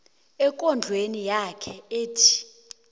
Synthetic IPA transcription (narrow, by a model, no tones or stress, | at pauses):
ɛk̬ʼɔnd͡ɮʱwenijakʰɛeːtʰi̥